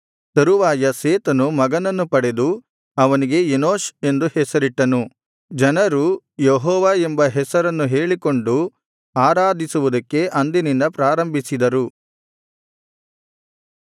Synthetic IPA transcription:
t̪ɐɾuʋaːjɐseːt̪ɐnumɐɡɐnɐnːupɐɽe̞d̪u | ɐʋɐniɡe̞enoːʃe̞nd̪uhɛsɐɾiʈːɐnu | d͡ʒɐnɐɾu | jeɦɔːʋaembɐɦɛsɐɾɐnːuɦe̞ːɭiko̞ɳɖu | aːɾaːd̪ʱisuʋud̪ɐkːe̞ʔɐnd̪inind̪ɐpɾaːɾɐmbʱisid̪ɐɾu

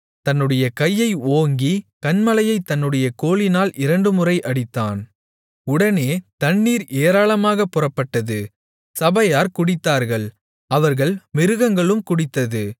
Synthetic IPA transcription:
t̪ɐnːɯɽɐjɐkɐjːɐɪoːŋɡikɐnmɐlɐjɐɪt̪ːɐnːɯɽɐjɐkoːlɪnaːlʔɪɾɐɳɖɯmɯrɐɪʔɐɽɪt̪ːa̰ːn | ʊɽɐneːt̪ɐnːiːɾeːɾaːɭɐmaːɣɐpːʊrɐpːɐʈːɐðɯ | sɐbɐjaːɾkʊɽɪt̪ːaːɾɣɐɭ | ɐʋɐɾɣɐɭmɪɾɯɣɐŋɡɐɭɯmkʊɽɪt̪ːɐðɯ

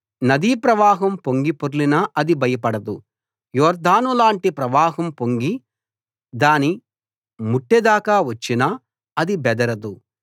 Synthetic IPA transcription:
nɐd̪iːpɾɐʋaːɦɐmpoŋɡipoɾlinɐʔɐd̪ibɐjɐpɐɽɐd̪u | jɔːɾd̪ʱaːnulaːɳʈipɾɐʋaːɦɐmpoŋɡi | d̪aːni | muʈːed̪aːkaːʋɐt͡ʃːinɐ | ɐd̪ibɛd̪ɐɾɐd̪u

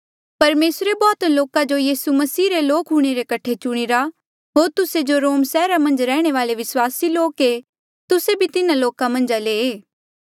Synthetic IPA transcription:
pɐɾmeːsɾebɔːt̪loːkad͡ʒojiːsumɐsiːɾeloːkɦuːɽ̃eɾekɐʈʰet͡ʃʊɽ̃iɾa | ɦoːɾt̪ʊsed͡ʒoɾoːmsɛːɾamɐ̃nd͡ʒɾɛːɽ̃eʋaːleʋɪswaːsiloːke | t̪ʊsebʱit̪ɪnaloːkamɐ̃nd͡ʒaleːeː

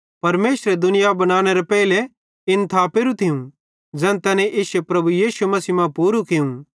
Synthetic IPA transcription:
pɐɾmeːsɾed̪ʊnɪjabɐɽ̃aːɽ̃eɾepɛːle | ɪnt̪ʰaːpeɾũt̪ʰɪjũ | d͡zɛ̃ːnt̪ɛːnẽʔɪsepɾɐbujiːʃumɐsiːmãpuːɾukɪjũ

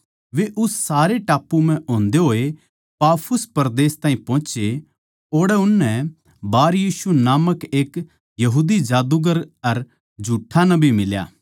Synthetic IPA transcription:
ʋeʔʊssaːɾeʈaːpːum̤ɛ̃ʔõːnd̪eɦoːe | paːpʰʊspɐɾd̪eːst̪ãːĩpɔ̃ːt͡ʃe | oːɽɛʊnːɛ | baːɾjiːsunaːməkeːk | jɐɦuːd̪id͡ʒaːd̪uɡəɾɐɾ | d͡ʒʱuːʈʰːanɐbimɪlja̰ː

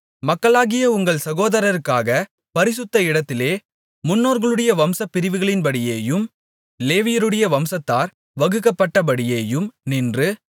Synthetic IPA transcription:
mɐkːɐɭaːɣɪjɐʊŋɡɐɭsɐɣoːðɐɾɐɾɯkːaːɣɐ | pɐɾɪsɯt̪ːɐɪɽɐt̪ːɪleː | mʊnːoːɾɣɐɭɯɽɐjɐʋɐmsɐpːɪɾɪʋɯɣɐɭɪnpɐɽɪjeːjɯm | leːʋɪjɐɾɯɽɐjɐʋɐmsɐt̪ːaːɾ | ʋɐɣɯkːɐpːɐʈːɐp̬ɐɽɪjeːjɯmnindrɯ

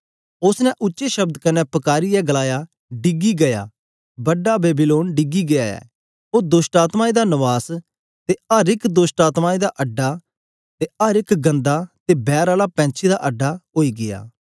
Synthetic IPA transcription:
ʊsnɛ̃ʔʊtːʃeʃɐb̚d̪kɐnːɛpɐkaːɾijɛɡəlaːjaː | ɖɪɡiɡɐja̰ː | bɐɖːabeːbiloːnɖɪɡiɡɪjaːɛ̰ː | oːd̪ʊːʃʈaːt̪maːid̪anəʋaːs | t̪eɐɾɪkd̪ʊːsʈaːt̪maːid̪aʔɐɖːaː | t̪eəɾɪkɡɐ̃nd̪aːt̪ebɛːɾaːlapɛ̃ːt͡ʃʰid̪aʔɐɖːaːɦoːiːɡɪja̰ː

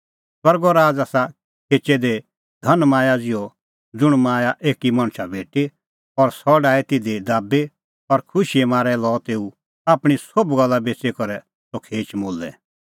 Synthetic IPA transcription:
sɐɾɡɔɾaːd͡zaːsa | kʰeːt͡ʃɛd̪e | d̪ʱɐnmaːjad͡zɪjɔ | d͡zʊɽ̃maːjaʔeːkimɐ̃ɽ̃ʃʰabʱeːʈe | ɔɾsɔɖaːɛt̪ɪd̪ed̪aːbe | ɔɾkʰʊʃiɛmaːɾɛlɔːt̪eːu | aːpɽ̃isobɡɐlːabeːt͡sekɔɾɛ | sokʰeːt͡ʃmoːlːɛ

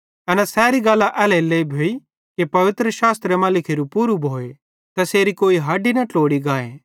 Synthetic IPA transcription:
ɛnɛsɛːɾiɡaːlːaʔɛːleleːbʱoːi | kepɐʋɪt̪ɾəʃaːst̪ɾemaːlɪkʰiɾupuːɾubʱoːe | t̪ɐseːɾikoːiɦaːɖinɐʈoːɽiɡaːeː

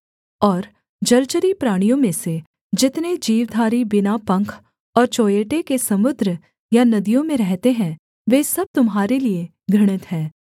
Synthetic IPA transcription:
ɔːɾ | d͡ʒɐɾt͡ʃəɾipɾaːɽ̃ijõmẽse | d͡ʒɪt̪ned͡ʒiːʋd̪ʱaːɾibɪnapɐ̃ŋkʰ | ɔːɾt͡ʃoːjeːʈekesɐmʊd̪ɾə | janɐd̪ijõmẽɾɛɦt̪eɦɛ̃ | ʋeːsɐb̚t̪ʊmɦaːɾelie | ɡʱɐɽ̃ɪt̪ɦɛː

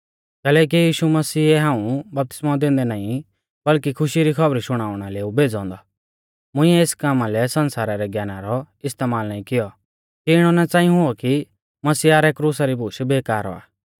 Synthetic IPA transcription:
kɛːlɛːk̬ijiːʃumɐsiːɛɦãːũbɐp̚t̪ɪ̥smãd̪ẽːnd̪ɛnaːĩ | bɐlkikʰʊʃiɾikʰɐbɾiʃʊɽ̃aːʊɽ̃aleːubʱeːd͡zɔ̃ːnd̪ɔ | mʊ̃ĩɛeːskaːmalɛsɐnsaːɾaɾɛɡjaːnaɾɔ | ɪst̪eːmaːlnaːĩkɪjɔ | kiɪɽ̃ɔnɛt͡saːĩɦʊɔki | mɐsiːaːɾɛkɾuːsaɾibʱʊːʃbeːkaːɾɔ̰a̰ː

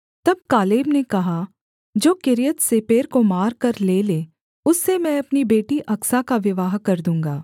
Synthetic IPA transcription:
t̪ɐb̚kaːleːbnekɐɦa | d͡ʒoːkɪɾijət̪sepeːɾkomaːɾkɐɾleːleː | ʊsːemɛ̃ɐpnibeːʈiʔɐksakaʋɪʋaːɦkɐɾd̪ũːŋɡaː

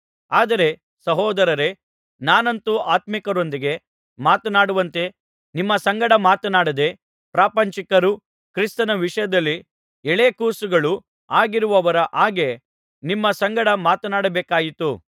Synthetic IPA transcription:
aːd̪ɐɾe̞ | sɐɦɔːd̪ɐɾɐɾe | naːnɐnt̪uʔaːt̪mikɐɾo̞nd̪iɡe̞ | maːt̪ɐnaːɽuʋɐnt̪e̞ | nimːɐsɐŋɡɐɽɐmaːt̪ɐnaːɽɐd̪e̞ | pɾaːpɐɲt͡ʃikɐɾu | kɾist̪ɐnɐʋiʂɐjɐd̪ɐlːi | ɛɭeːkuːsuɡɐɭu | aːɡiɾuʋɐʋɐɾɐʔaːɡe̞ | nimːɐsɐŋɡɐɽɐmaːt̪ɐnaːɽɐbeːkaːjit̪u

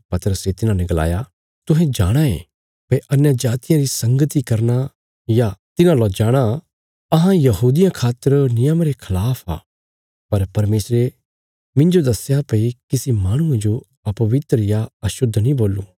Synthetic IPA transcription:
pɐt̪əɾəset̪ɪnãnɛ̃ɡɐla̰ːja | t̪ʊɦɛ̃d͡ʒaːɽ̃aḛ̃ | pɐiʔɐnjad͡ʒaːt̪ɪjãɾisɐ̃ŋɡət̪ikɐɾna | jat̪ɪnãlad͡ʒaːɽ̃a | ɐɦãjɐɦuːd̪ɪjãkʰaːt̪ːəɾnɪjəmɾekʰɐlaːpʰa̰ː | pɐɾpɐɾmeːsɾe | mɪ̃nd͡ʒod̪ɐsjapɐikɪsimaːɽ̃ʊ̃ẽd͡ʒo | ɐpɐʋɪt̪ɾəjaɐʃʊd̪ʱːnĩboːlːṵː

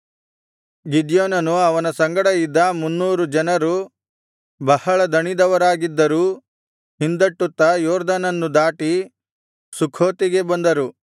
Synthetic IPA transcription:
ɡid̪joːnɐnuɐʋɐnɐsɐŋɡɐɽɐid̪ːɐmunːuːɾud͡ʒɐnɐɾu | bɐhɐɭɐd̪ɐɳid̪ɐʋɐɾaːɡid̪ːɐɾuː | hind̪ɐʈːut̪ːɐjɔːɾd̪ɐnɐnːud̪aːʈi | sukʰoːt̪iɡe̞bɐnd̪ɐɾu

